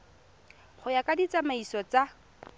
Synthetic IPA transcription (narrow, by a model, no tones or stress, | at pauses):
χʊjakʼadit͡sʼamaisɔt͡sa